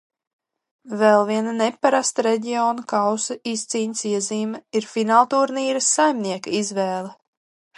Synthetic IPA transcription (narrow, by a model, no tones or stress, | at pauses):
vɛlˠviɛnanepːaɾast̪ɾɛɟiɔːnukawsɐist̪siːɲsiɛziːmɛiɾfinaːlˠt̪uɾniːɾɐsːajmniɛkaizvɛːlˠɛ